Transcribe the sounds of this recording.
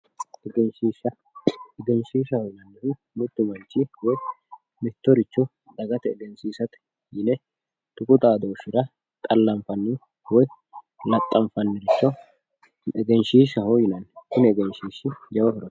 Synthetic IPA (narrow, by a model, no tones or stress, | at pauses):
ɛɡɛnʃiːʃɐ | ɛɡɛnʃiːʃɐhɔjɪnɐnːɪfɪ | mʊd̪ːʊmɐnt͡ʃːɪwɔj | mɪt̪ːɔɾɪt͡ʃːɔ | d̪ɐɡɐt̪ɛːɡɛnsiːsɐt̪ɛ̥ | jɪnɛ | t̪ʊkʼʊt̪ʼaːd̪oːʃɪɾɐ | t̪ʼɐlːɐɱfɐnːi | wɔj | lɐt̪ʼːɐɱfɐnːɛɾɪt͡ʃːɔ | ɛɡɛnʃiːʃɐhɔjɪnɐnkʊnɛɡɛnʃiːʃɪd͡ʒɐwɔfɪɾɔt̪ː